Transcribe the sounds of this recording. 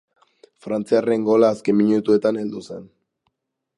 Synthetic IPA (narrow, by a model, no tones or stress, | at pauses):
fɾant͡siare̞ŋɡo̞laːske̞mːiɲut̪ue̞t̪ane̞ld̪use̞n